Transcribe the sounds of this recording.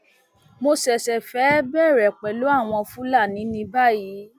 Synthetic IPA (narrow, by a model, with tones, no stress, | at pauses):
mo˧sɛ˨sɛ˨fɛ˨˦bɛ˦˨ɾɛ˨k͡pɛ˨lo˨˦a˦˨w̃ɔ̃˧fũ˦la˦˨nĩ˨˦nĩ˧ba˦˨ji˨˦